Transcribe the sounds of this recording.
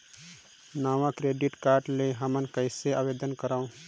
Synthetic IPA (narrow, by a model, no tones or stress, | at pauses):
naːʋãkɾeːɖiʈkaːɾɖleɦəmənkəɪseaːweːd̪ənkəɾaːõ